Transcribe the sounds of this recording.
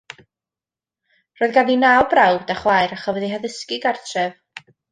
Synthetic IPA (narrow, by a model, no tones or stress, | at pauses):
rɔːɨðɡaðinabrawbdaχwajɾaχɔvɛðiɦaðɪskɪɡartʰrɛv